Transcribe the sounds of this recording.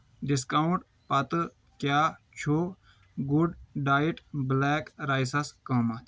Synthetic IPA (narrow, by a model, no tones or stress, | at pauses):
ɖiskɐuʈ | pɐt̪ɨ | kjaːt͡ʃʰo | ɡuɖɖaːiʈblɛːkɾaːjsɐskɐːmɐt̪